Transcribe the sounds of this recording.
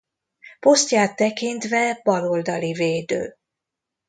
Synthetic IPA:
po̞st̪jaːt̪ːɛkint̪vɛbɒɾo̞ld̪ɒliveːd̪ø̰ː

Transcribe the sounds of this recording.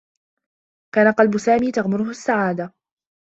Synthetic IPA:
kaːnaqɑlbʊsaːmiːt̪aɣmʊɾʊhʊsːaʕaːd̪a

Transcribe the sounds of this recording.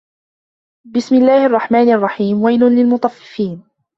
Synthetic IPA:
bɪsmɪlːaːhʔɑrˤːɑħmaːnʔɑrˤːɑħiːmwajlʊnlɪlmʊt̪ˤɑfːɪ̥fiːn

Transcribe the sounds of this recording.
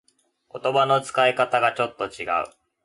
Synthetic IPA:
ko̞t̪o̞bano̞t͡sɨ̥kaikat̪aɡat͡ɕo̞t̪ːo̞t͡ɕiɡa̰ɯ̟̰

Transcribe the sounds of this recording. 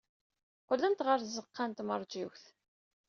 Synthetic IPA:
qʊlːənt̪ʁəɾθzːəqːant̪məɾˤd͡ʒiwθ

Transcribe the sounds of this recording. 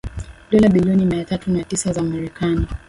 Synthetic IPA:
ɗɔlaɓiliɔnimiatatunatisazamaɾɛkani

